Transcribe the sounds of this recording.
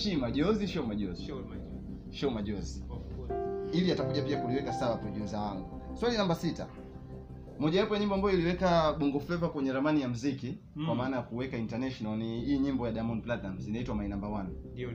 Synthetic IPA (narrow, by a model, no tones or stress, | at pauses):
ʃimaʄɔziʃɔmaʄɔzi | ʃɔmaʄɔzi | iliatakuʄapiakuliwɛkasawapɾɔʄuzawaŋɡuswalinambasita̰ | mɔʄajapɔjaɲimbɔambajɔiliwɛkaɓɔŋɡɔflɛvakwɛɲɛɾamanijam̩ziki | kwamaːnajakuwɛkaintanaʃɔnalniijɔɲimbɔjaɗamɔniplatnam̩zinaitwamainambawana